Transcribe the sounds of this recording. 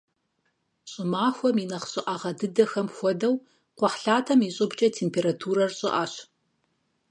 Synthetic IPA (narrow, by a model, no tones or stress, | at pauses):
ɕʼɪmaːxʷɔminɐχɕʼɪʔaʁɐdɨdɐxɐmxʷɔdɐw | qʷɔħɬaːtʰɐmiɕʼɨbt͡ʃʼɐtʰeːmpʰeːɾatʰuːɾɐrɕʼɪʔaːɕ